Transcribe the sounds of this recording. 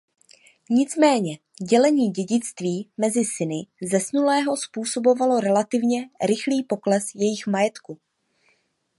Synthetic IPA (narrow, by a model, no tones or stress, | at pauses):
ɲɪt͡smɛːɲɛ | ɟɛlɛɲiːɟɛɟɪt͡st̪viːmɛzɪsɪnɪzɛsnulɛːɦo̞spuːso̞bo̞valo̞ɾɛlat̪ɪvɲɛɾɪxliːpo̞klɛsjɛjɪxmajɛt̪ku